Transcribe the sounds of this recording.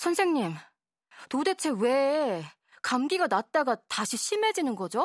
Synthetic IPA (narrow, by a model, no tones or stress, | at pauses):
sʰʌnsʰe̞ŋɲim | tode̞t͡ɕʰe̞we̞ | kamɡiɡanat̚t͈aɡataɕʰiɕʰime̞d͡ʑinɯnɡʌd͡ʑo